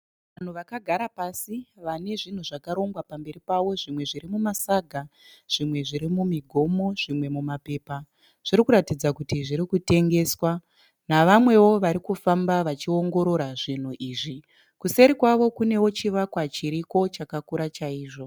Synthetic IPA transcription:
ʋan̤uʋakaɡʱaɾapasiʋane̞ʐin̤uʐakaɾo̞ŋɡwapambe̞ɾipawo̞ʐimwe̞ʐiɾimumasaɡʱaʐ̥imwe̞ʐiɾimumiɡʱo̞mo̞ʐ̥imwe̞mumape̞ːpa | ʐ̥irikuɾatid͡zakutiʐiɾikute̞ŋɡe̞ːswa | naʋamwe̞wo̞ʋaɾikufambaʋat͡ʃio̞ŋɡo̞ɾo̞ɾaʐin̤uʔiːʐi | kuse̞ɾikwaʋo̞kune̞wo̞t͡ʃiʋakwat͡ʃiɾiko̞t͡ʃakakuɾat͡ʃaiːʐo̞

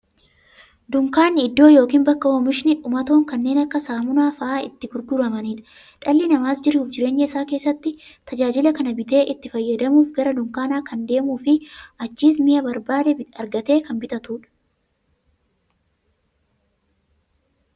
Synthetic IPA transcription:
d̪ʊŋkaːnːɪd̪ːo̞ːjo̞ːkiːnbɐkːɐoːmɪʃɪnɪᶑʊmɐt̪o̞ːŋkɐnːe̞ːnɐkːɐsaːmʊnaːfɐʔaːɪ̰t̪ːɪɡʊɾɡʊɾɐmɐniːᶑɐ̥ | ᶑɐlːɪnɐmaːsd͡ʒɪɾuːfd͡ʒɪɾe̞ːɲːɐɪsaːke̞ːsːɐt̪ːɪt̪ɐd͡ʒaːd͡ʒɪlɐkɐnɐbɪt̪e̞ːʔɪt̪ːɪfɐjːɐd̪ɐmuːfɡɐɾɐd̪ʊŋkaːnaːkɐnd̪e̞ːmuːfɪʔɐt͡ʃːiːsmɪjɐbɐɾbaːlɛɐɾɡɐt̪e̞ːkɐmbɪt̪ɐt̪uːᶑɐ̥

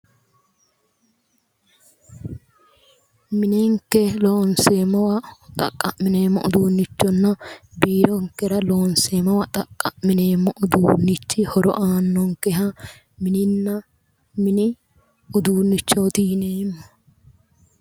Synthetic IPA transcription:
mɪnɛŋkːɛloːnseːmːɐwɐt̪ʼɐ̰kʼːɐ̰mɪne̞ːmːɔ̰ʔʊd̪uːnːɪt͡ʃːɔnːɐbiːɾɔŋkːɛɾɐlo̞ːnseːmɐwɐt̪ʼɐkʼːɐʔmɪneːmːɔʔʊd̪uːnːɪt͡ʃːɪhɔɾɔ̰ʔaːnːɔŋkɛɦɐ | mɪnɪnːɐ | mɪnɪ | ʊd̪uːnːɪt͡ʃːoːt̪iːneːmːɔ

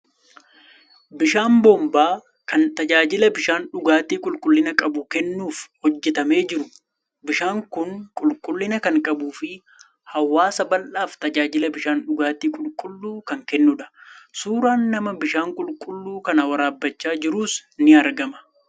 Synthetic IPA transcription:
bɪʃaːmbɔːmbaː | kɐnt̪ɐd͡ʒaːd͡ʒɪlɐbɪʃaːnᶑʊɡaːt̪iːkʼʊlkʼʊlːɪnɐkʼɐbʊkɛnːuːfhɔd͡ʒːɛt̪ɐme̞ːd͡ʒɪɾʊ | bɪʃaːŋkʊŋkʼʊlkʼʊlːɪnɐkɐŋkʼɐbuːfɪ | hɐwːaːsɐbɐlʔaːft̪ɐd͡ʒaːd͡ʒɪlɐbɪʃaːnᶑʊɡaːt̪iːkʼʊlkʼʊlːuːkɐŋkɛnːʊᶑɐ̥suːɾaːnːɐmɐbɪʃaːŋkʼʊlkʼʊlːuːkɐnɐwɐɾaːbːɐt͡ʃːaːd͡ʒɪɾuːsnɪɐɾɡɐmɐ̥

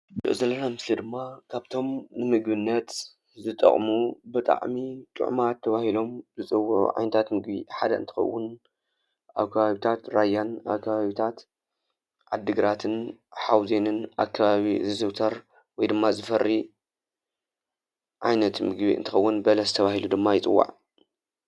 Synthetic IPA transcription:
dɨ̰zɐlːɐnamɨslid̪ɨmːakʰaβt̪ʰo̞mnɨmɨɡbɨnːɐt̪ | zɨt̪ʼɐ̰χʼmubɨt̪ʼa̰ʕmit̪ʼɨ̰ʕmat̪ʰːɐβahilo̞mzɨt͡sʼɨwːuʕṵʕa̰jnɐt̪ʰat̪mɨɡbḭħad̪ɐʔɨ̰nt̪ʰɨ̥xɐ̰wːʊn | ʔa̰βkʰɐβaβit̪ʰat̪ɾajːana̰βkʰːɐβaβit̪ʰat̪ | ʕad̪ːɨɡɾat̪ʰɨnħawzenɨnʔa̰kʰːɐβaβizɨzɨwt̪ʰɐɾ | wɔjd̪ɨmːazɨfɐrːi | ʕajnɐt̪mɨɡbiʔɨ̰nt̪ʰɨxɐwːʊnbɐlɐzɨt̪ʰɐβahilud̪ɨmːajɪt͡sʼɨ̰wːa̰ʕ

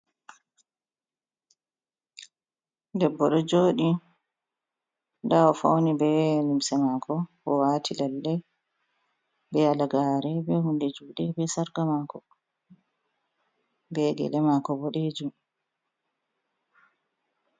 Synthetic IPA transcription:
dɛbːɔɗɔd͡ʒoːɗi | ndaɔfownibɛlumsɛmakʰɔbɔwaːtʰilalːɛ | bɛalaɡaːɾɛbɛhundɛd͡ʒuːɗɛbɛsaɾɡamakɔ | bɛɡɛ̰lɛmakɔbɔɗɛd͡ʒum

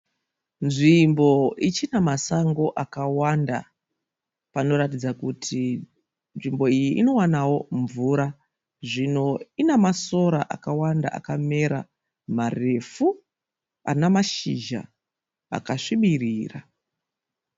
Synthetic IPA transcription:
nʐimbo̞it͡ʃinamasaŋɡo̞ʔakawanda̰ | pano̞ɾatid͡zakutʰi | nʐimbo̞ijiʔino̞wanawo̞ɱvuːɾa | ʐino̞inamaso̞ɾaʔa̰kawanda̰ʔa̰kame̞ɾa | mare̞fu | a̰namaʃiʒa̰ | a̰kaʂiɓiriːra

